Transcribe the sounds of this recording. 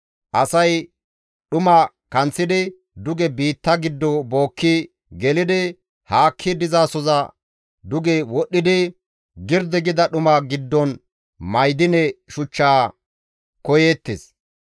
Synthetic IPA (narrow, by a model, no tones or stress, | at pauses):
ʔɐsɐj | ɗʊma | kɐnt͡sːɪd̪ɪ | d̪ʊɡɛbiːt̪ːɐɡɪd̪ːɔboːkʰːi | ɡɛlɪd̪ɪ | haːkʰːɪd̪ɪzaːsɔzɐ | d̪ʊɡɛwɔɗːɪd̪ɪ | ɡɪɾd̪ɛɡɪd̪ɐɗʊmaɡɪd̪ːɔn | mɐjd̪ɪnɛʃʊt͡ʃːaː | kɔjeːt̪ːḛs